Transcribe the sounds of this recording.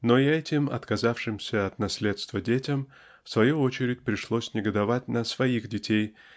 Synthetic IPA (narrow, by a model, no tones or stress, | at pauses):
noɪɛtʲɪmɐ̰t̪kɐzafʂɨmsʲəɐt̪nɐsʲlʲe̞t̪st̪vədʲetʲɪm | fsvɐjuot͡ɕɪɾʲɪt̚ʲpɾʲɪʂlˠosʲnʲɪɡəd̪ɐvatʲnəsvɐixdʲɪtʲej